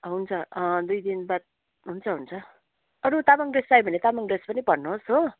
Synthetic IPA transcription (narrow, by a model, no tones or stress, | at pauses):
ɦunt͡sʰʌd̪ujd̪inbat̪̚ | ɦunt͡sʰʌɦunt͡sʰʌ | ʌɾut̪amaŋɡresajbʱʌnet̪amaŋɡrespʌnibʌnnuɦosɦo